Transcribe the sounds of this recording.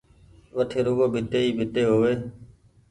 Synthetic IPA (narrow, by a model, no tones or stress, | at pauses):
ʋəʈʰeːɾoːɡoːbʱɪʈ̪eːiːbʱɪʈ̪eːɦoːʋeː